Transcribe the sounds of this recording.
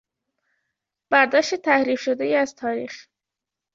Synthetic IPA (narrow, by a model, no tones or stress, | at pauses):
b̥æɾd̪ɒːʃt̪et̪ʰæhɾiːfʃod̪ejiːæzt̪ʰɒːɾiːx